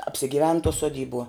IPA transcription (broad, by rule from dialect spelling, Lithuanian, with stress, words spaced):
ɐpʲsʲɪɡʲɪˈʋʲɛn tuɔ suɔˈdʲiːbuɔ